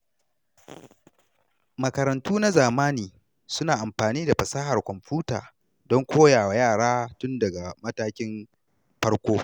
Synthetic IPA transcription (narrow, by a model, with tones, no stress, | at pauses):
mɐ˨kɐ˨ɾɐ˨ntuː˦na˦zaː˨maː˦niː˨ | sʊ˦naː˨ʔa˨mɸaː˨niː˦da˨ɸɐ˨saː˦ɦa˨rkʷɔ˨mɸuː˦ta̰ː˨ | dɔ˦ŋkʷoː˦jaː˨wa˨jaː˦˨ɽaː˦tʊ˦ndɐ˨ɡa˨mɐ˦taː˦kʲɪ˦m | ɸɐ˦ɽkʷoː˦